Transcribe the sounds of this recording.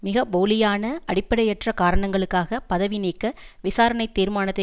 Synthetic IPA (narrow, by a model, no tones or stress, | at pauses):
mɪɣɐboːlɪjaːnɐɐɽɪpːɐɽɐjɛʈrɐkaːɾɐɳɐŋɡɐɭɯkːaːɣɐpɐðɐʋɪniːkːɐʋɪsaːɾɐɳɐɪt̪ːiːɾmaːnɐt̪ːɐ